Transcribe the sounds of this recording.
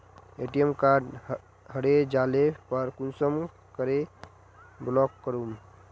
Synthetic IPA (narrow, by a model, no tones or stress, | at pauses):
eʈijemkaɖ | həɽed͡ʒalepəɾkunsəm | kəɾe | blɔkːəɾum